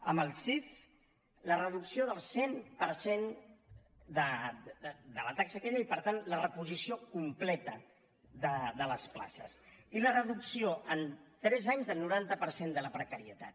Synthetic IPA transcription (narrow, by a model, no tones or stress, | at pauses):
əməlˠsif | lərəðuksioðəlˠsempəɾsen | d̪ə | d̪ələt̪aksəkɛʎəipəɾt̪anlərəpuzisiokumplɛt̪ə | ðəðələspla̰sə̰silərəðuksioənt̪ɾɛzaɲzðəlˠnuɾant̪əpəɾsend̪ələpɾəkəɾiət̪a̰t̪